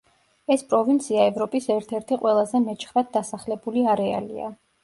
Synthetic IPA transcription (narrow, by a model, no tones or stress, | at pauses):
ɛspʼɾɔvint̪sʰiaɛvɾɔpʼisɛɾt̪ʰɛɾt̪ʰiqʼwɛlˠazɛmɛt͡ʃʰχɾad̪̚d̪asaχlɛbuliaɾɛa̰lḭa̰